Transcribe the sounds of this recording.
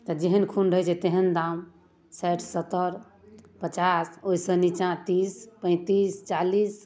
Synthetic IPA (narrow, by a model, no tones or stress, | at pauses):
t̪ɔd͡ʒeɦənkʰunɾəɦjt͡ʃʰet̪eɦənd̪am | sajʈʰsət̪ːəɾ | pət͡ʃasoisə̃nit͡ʃãt̪ispə̃ɪ̃t̪ist͡ʃalis